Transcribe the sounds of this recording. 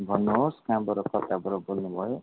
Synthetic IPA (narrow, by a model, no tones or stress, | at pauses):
bʱʌnːoɦoskãbɔɾokʌt̪abʌɾobolnubʱʌjo